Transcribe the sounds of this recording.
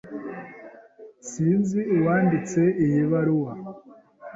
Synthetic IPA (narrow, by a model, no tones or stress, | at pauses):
siːnziuwaːndit͡se̞ijiβaɾuwa